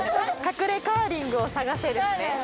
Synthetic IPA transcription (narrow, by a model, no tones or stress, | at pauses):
kakɯ̟ɾe̞kaːɾʲĩŋɡɯ̟o̞saɡase̞ɾɯ̟ne